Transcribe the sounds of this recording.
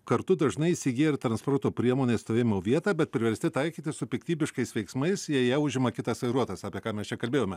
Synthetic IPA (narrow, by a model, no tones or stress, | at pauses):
kɐɾt̪ʊd̪ɐʒnɐɪɪsʲɪɡʲiːɪɾt̪ɾɐnspoːɾt̪oːpʲɾʲiɛmoːnʲeːst̪oːʋeːmʲɪmoːʋʲiɛt̪ɑːbʲɛt̪̚pʲɾʲɪʋʲɛɾʲsʲt̪ʲɪt̪ɐɪkʲiːt̪ʲɪsʊpʲɪkt̪ʲiːbʲɪʃkɐɪsʋʲɛɪksmɐɪsjiɛjæʊʒʲɪmɐkʲɪt̪ɐsʋɐɪɾuɔt̪ɐsɑːpʲiɛkɑːmʲɛst͡ʃʲɛkɐlʲbʲeːjoːmʲɛ